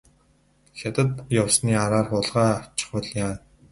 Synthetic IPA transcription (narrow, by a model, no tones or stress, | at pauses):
xʲat̪ə̆t̪jawsniːaɾaːrχʊːɮʁaːḁt͡ɕɪ̥̆χwə̆ɮjaː